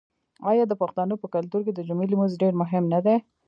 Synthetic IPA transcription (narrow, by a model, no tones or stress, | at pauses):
ɑjɑd̪əpaxt̪ɑnopəkalt̪uɾk̬ed̪əd͡ʒʊmilimʊzɖeɾmʊɦɪmnad̪e